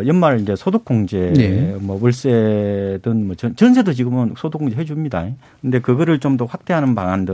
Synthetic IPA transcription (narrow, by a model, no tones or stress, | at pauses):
jʌnmaɾind͡ʑe̞sʰodok͈oŋd͡ʑemʌwuɭs͈edɯnmʌt͡ɕʌnt͡ɕʌnsʰedot͡ɕiɡɯmɯnsʰodok͈oŋd͡ʑeɦed͡ʑumɲida̰ekɯnde̞kɯɡʌɾɯɭt͡ɕomdoɸwak̚t͈e̞ɦanɯnpaŋandɯ